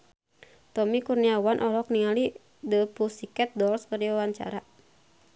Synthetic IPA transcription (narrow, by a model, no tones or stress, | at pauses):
t̪ɔmikurniawanʔɔlɔk̚niŋali | dəpusikɛt̪̚dɔlskərd͡ʒawawaɲt͡ʃa̰ɾa